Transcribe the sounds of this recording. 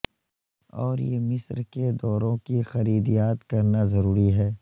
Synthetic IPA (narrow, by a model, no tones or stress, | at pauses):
ɔ̰ːɾjḛmɪsɾked̪ɔːɾõkixɐɾiːd̪ijaːt̪kɐɾnazɐɾuːɾiɦɛː